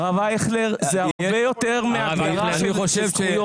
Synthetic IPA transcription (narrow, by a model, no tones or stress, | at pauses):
ʁavajeχleʁzeaʁbejo̞teʁmeavʁanioʃvo